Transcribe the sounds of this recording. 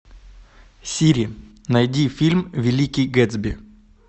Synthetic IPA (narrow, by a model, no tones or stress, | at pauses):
sʲiɾʲɪ | nɐjdʲifʲilʲmvʲɪlʲikʲijɡɛd̪zbʲɪ